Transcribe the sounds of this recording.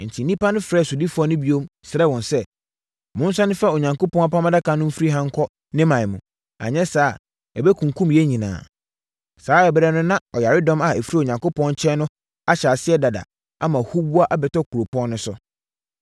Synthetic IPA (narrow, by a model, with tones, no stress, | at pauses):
n̩˨tʰi˨nĩ˦pa˦nʊ̃˦fɾɛː˦˨su˨di˦fʊ˦ɔ˦nʊ̃˦bi˦o˦msɾɛ˦wɔ̃˨nsɛ˦ | mʊ̃˦n̩˦sa˦nʊ̃˦fa˦˨o˨ɲã˨ŋko˦pʰɔ̃˦ŋ˦a˦pã˦mã˦da˦kʰa˨˦nʊ̃˦m̩˦fɾi˦ɦã˦ŋ̩˦kʰɔ˦ | nɪ̃˦mã˨mũ˨ | a̰˨ɲɛ̃˦saː˦˨ | ɛ˨bɛ˦kʰũ˨ŋ˨kʰũ˦mjɛ˦ɲĩ˨nã̰ː˨ | saː˨˦ɛ˨bɾɛ˦nʊ̃˦nã˦ɔ˨ja˨ɾɪ˦dɔ̃˦ma˨ɛ˨fi˦ɾi˦o˨ɲã˨ŋko˦pʰɔ̃˦nɲ˦t͡ɕʰɛ˦nʊ̃˦ | a˦ɕa˨sɪ˦ɛ˦da˨da̰˨ | a̰˦mã˨hu˦bu˦a˦ʔa˦bɛ˨tɔ˦kʰu˨ɾo˨pɔ̃˦nnʊ̃˦sʊ˦